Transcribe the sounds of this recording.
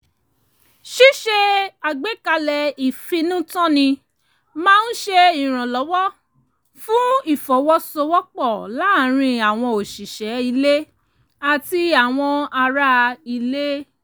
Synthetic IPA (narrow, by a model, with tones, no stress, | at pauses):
ʃi˦ʃe˦a˨ɡ͡be˨˦ka˧lɛ˨i˨fĩ˧nũ˦tɔ̃˦nĩ˧ | mãː˦˧˦n̩˦ʃe˧i˨ɾ̃ã˨lɔ˨˦wɔ˦ | fũ˦i˦˨fɔ˨˦wɔ˦sɔ˧wɔ˦k͡pɔ˦˨la˨˦˨ɾ̃ĩ˧a˨w̃ɔ̃˧o˨ʃi˨ʃɛ˨˦i˧le˦ | a˨ti˧a˨w̃ɔ̃˧a˧ɾa˦˧i˧le˦